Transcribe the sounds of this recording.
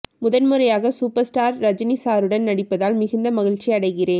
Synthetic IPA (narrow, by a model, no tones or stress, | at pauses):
mʊðɐnmɯɾɐjaːɣɐsuːpɐɾsʈaːɾːɐd͡ʒɐnisaːɾɯɽɐnnɐɽɪpːɐðaːlmɪɣɪnd̪ɐmɐɣɪɻt͡ʃiɐɽɐɪɣɪreːn